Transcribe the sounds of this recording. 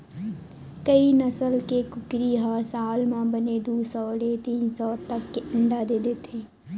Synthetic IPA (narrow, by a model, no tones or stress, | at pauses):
kəinɐsəlkekʊkɾiɦasaːlmãbəned̪uːsɔːlet̪iːnsɔːt̪ɐkːeʔə̃ɳɖad̪eːd̪eːt̪ẽː